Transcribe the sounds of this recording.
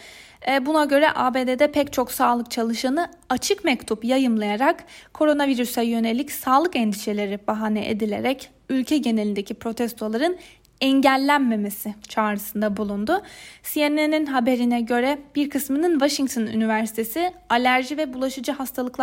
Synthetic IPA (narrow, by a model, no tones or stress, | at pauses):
bunaɟø̞ɾɛ̰ʔaːbe̞ːd̪ed̪ɛpʰɛct͡ʃʰo̞ksaːlˠɯk̚t͡ʃʰalˠɯʃanɯ | at͡ʃʰɯkmɛct̪ʰupjajɯmlˠajaɾakkʰːo̞ɾo̞naviɾysɛjø̞ne̞lʲːicsaːlˠɯkɛnd̪iʃe̞lʲe̞ɾibaɦaːnɛʔed̪ilʲe̞̰ɾɛc | ylʲcʰɛɟe̞ne̞lʲind̪ecʰipɾo̞t̪ʰɛst̪ʰo̞lˠaɾɯn | ɛɲɟælʲːænme̞me̞sɪt͡ʃʰaːɾɯsɯnd̪abulˠund̪ʊsieneninɦabe̞ɾinɛɟø̞ɾɛb̥iɾkʰɯsmɯnɯnvaʃiŋt̪ʰony̰nivæɾsi̥t̪ʰe̞sɪalʲæɾʒivɛbulˠaʃɯd͡ʒɯɦast̪ʰalˠɯklˠ